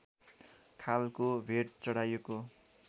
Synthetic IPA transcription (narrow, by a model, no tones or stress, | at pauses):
kʰalkobʱeʈ̚t͡sʌɽajeko